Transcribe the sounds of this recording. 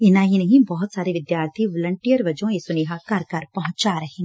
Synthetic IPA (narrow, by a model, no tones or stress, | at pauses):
ɪnaːɦinɐɦĩbɔɦt̪saːɾeʋɪd̪jaːɾt̪ʰiʋɔːlə̃ɳʈijəɾʋɐd͡ʒõesʊniɦakɐɾkɐɾpɐɦʊ̃t͡ʃaɾɐɦẽː